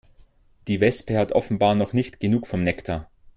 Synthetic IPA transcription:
d̥iːvɛspəhatʔɔ̰fn̩baːɐnɔχnɪçtɡ̥ənuːkfɔmnɛktʰa

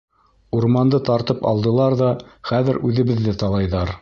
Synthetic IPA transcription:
uɾmɑnd̪ɤt̪ɑɾt̪ɤpɑ̰lˠd̪ɤ̆lˠɑɾðɑχæðɘɾʉðɘ̆βɘ̆ðːɘt̪ɑlˠɑjðɑɾ

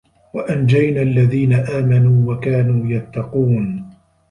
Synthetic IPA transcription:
waʔand͡ʒajnaːʔalːaðiːnaʔaːmanuːwakaːnuːjat̪ːɑquːn

